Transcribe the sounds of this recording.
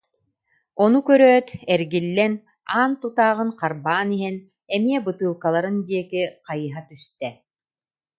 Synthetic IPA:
ɔnukœɾœːt̪ɛɾɡilːɛn | aːnt̪ut̪aːʁɯnqaɾbaːniɦɛn | ɛmiɛbɯt̪ɯːlˠkalˠaɾɯnd̪iɛkiqajɯɦat̪yst̪ɛ

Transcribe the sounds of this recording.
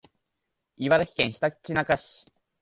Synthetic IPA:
iβad̪akʲi̥kẽɰ̃ɕi̥t̪akt͡ɕinakaɕi̥

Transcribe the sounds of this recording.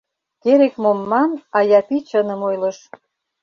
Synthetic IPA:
keɾekmomːɑnɑjɑpit͡ɕənə̆mojlə̆ʃ

